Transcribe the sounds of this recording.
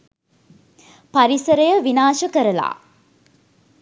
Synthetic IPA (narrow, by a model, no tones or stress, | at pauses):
paɾisəɾəjəʋinaːʃəkəɾəla̰ː